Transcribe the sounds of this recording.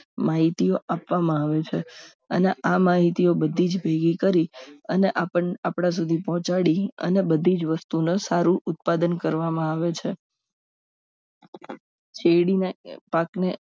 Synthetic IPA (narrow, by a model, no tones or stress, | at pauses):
maɦit̪ioʔapʋamãaʋet͡ʃʰe | əneʔamaɦit̪iobəd̪ʱid͡ʒbʱeɡikəɾiəneʔaəapɽ̃ãs̬ud̪ʱipɔɦɔ̃t͡ʃaɽiə̰nebəd̪ʱid͡ʒʋəst̪unosaɾũʔʊt̪̚pad̪ənkəɾʋamãaʋet͡ʃʰe | t͡ʃeɽinapakne